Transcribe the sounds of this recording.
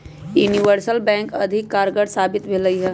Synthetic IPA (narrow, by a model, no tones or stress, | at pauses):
juniʋəɾsəlbɛ̃ːŋkɐd̪ʱɪkːaːɾɡəɽsaːbɪt̪bʱeləiɦɛː